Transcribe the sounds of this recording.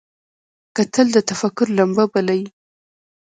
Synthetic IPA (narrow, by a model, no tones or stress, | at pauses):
kat̪ʰəld̪ət̪afakʊɾlambabalaji